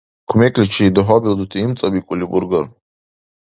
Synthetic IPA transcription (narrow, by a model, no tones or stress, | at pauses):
kʰʷmɛkʰʼlit͡ʃʰid̪ɔɦɔbild̪ut̪ʰiːmt͡sʼɐbikʼulibuɾɡəɾ